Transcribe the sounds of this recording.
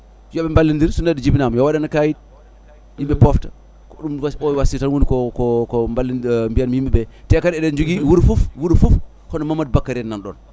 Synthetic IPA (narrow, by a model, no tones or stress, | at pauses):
jobembalːindiɾsunadid͡ʒibinamjawadanakajit̚ | jimbepofta | koɗumwasowasitanwunikokokombalːimbijanmjimebetekaɾedend͡ʒuɡiwuɾfufwuɾfuf | konamamad̚bakːaɾenanɗo̰n